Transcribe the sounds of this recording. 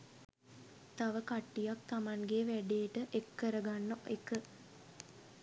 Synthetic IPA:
t̪aʋəkaʈːijak̚t̪amaŋɡeʋæɖejːʈəʔekːəɾəɡanːoʔekə

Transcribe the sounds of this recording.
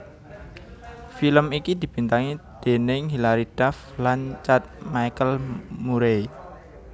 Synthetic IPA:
filəmikid̪̥i̤b̥i̤nt̪aŋid̪̥e̤nɪŋɦilaɾid̪̥af | laɲt͡ʃat̪̚majkəlmuɾej

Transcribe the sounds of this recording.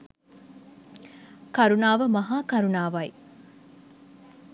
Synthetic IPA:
kɐɾunaːʋəmɐɦaːkɐɾunaːʋɐj

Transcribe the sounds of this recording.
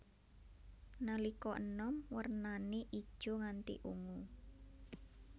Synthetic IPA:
nalikɔʔənɔmwərnaneʔid̥ʒ̥o̤ŋant̪ḭʔuŋu

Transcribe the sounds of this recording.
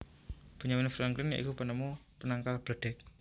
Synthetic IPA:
b̥ṳɲawinfɾaŋklɪnja̰ʔḭkupənəmu | pənaŋkalb̥əɖ̥ɛ̤k̚

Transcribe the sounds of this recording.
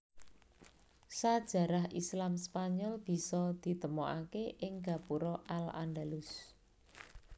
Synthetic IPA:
sad̥ʒ̥ä̤ɾahʔislamspaɲɔlb̥i̤sɔd̪̥i̤t̪əmɔʔakeʔɪŋɡa̤puɾɔʔala̰nɖalʊs

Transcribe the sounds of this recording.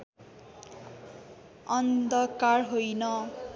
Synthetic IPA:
ʌnd̪ʌkarɦojnʌ

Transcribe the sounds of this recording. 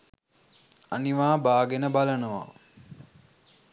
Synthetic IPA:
aniʋaːbaːɡenəbalənəʋa̰

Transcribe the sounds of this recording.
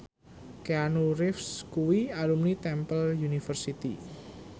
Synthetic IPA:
keanuɾɪfskuwialumnit̪ɛmpəljunifərsit̪ḭ

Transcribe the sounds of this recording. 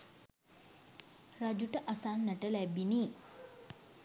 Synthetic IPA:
rad͡ʒuʈəʔasanːaʈəlæbiniː

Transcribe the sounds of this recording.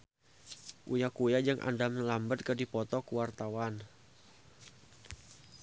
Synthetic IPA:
ʔujakujad͡ʒɨŋʔa̰ndaməlambət̪̚kədipɔt̪ɔkuwart̪awan

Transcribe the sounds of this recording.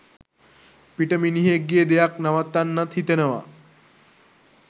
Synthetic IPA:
piʈəminiɦeɡːied̪ejaknaʋat̪ːanːat̪ɦit̪enəʋa̰

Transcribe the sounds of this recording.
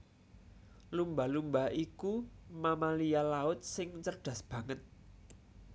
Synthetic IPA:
lumbalumbaikumamalijalaʊt̪̚sɪŋt͡ʃərɖ̥ä̤sb̥ä̤ŋət̪̚

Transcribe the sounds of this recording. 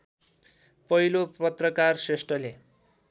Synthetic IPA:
pʌɦilopʌt̪rʌkarsresʈʌle

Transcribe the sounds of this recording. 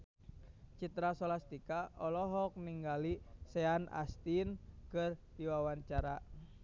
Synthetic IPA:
t͡ʃit̪ɾasɔlast̪ikaɔlɔɦɔk̚niŋɡalisɛana̰st̪inkɨrdiwawant͡ʃaɾa

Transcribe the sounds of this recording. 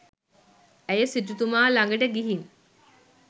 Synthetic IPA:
æjəsiʈut̪umaːlaŋɡəʈəɡiɦiŋ

